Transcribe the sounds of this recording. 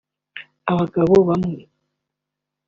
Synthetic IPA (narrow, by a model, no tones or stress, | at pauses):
aβaɡaβoβamwe